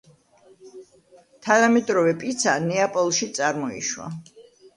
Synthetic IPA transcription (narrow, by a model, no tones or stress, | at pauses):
t̪ʰanamɛt̪ʼɾɔvɛpʼit̪sʰanɛapʼɔlˠʃit̪sʼaɾmɔḭʃwa̰